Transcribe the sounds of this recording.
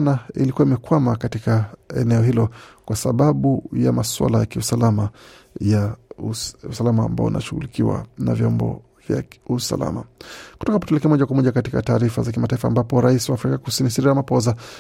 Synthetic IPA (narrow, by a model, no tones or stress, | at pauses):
nailikuwaimɛkwamakatikaɛ̰nɛɔɦilɔkwasaɓaɓujamaswa̰lajakiusalama | ja | usalamaːmba̰ɔ̰una̰ʃuɣṵlikiwa̰na̰vjɔmbɔ̰ | vja̰usa̰la̰makutɔkaputɛlɛkɛmɔʄakwamɔʄakatikataːɾifazak̬imataifaːmbapɔɾaisiwaːfɾikakusinisiɾiɾamapɔza